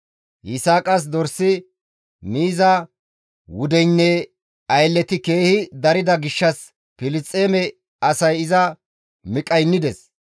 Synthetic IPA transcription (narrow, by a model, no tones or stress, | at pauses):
ʔɪsaːkʼɐs̬d̪ɔɾsɪ | niːzɐ | wʊd̪ɛjnːɛ | ɐjlːɛt̪ɪke̞ːhɪd̪ɐɾɪd̪ɐɡɪʃːɐs | pɪlɪt͡sʼːeːmɛ | ɐsɐjɪzɐ | mɪkʼɐjnːɪd̪ɛs